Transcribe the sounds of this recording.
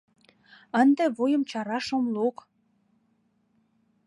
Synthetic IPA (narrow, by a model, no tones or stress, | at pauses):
ənd̪ĕβojə̆mt͡ɕɑɾɑʃomlok